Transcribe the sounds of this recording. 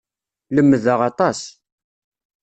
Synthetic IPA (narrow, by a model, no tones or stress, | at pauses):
ləmːðəʁɑt̪ˤɑs